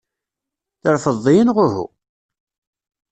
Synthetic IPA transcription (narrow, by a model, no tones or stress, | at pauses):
θəɾfəðˤːijənʁʊhṵ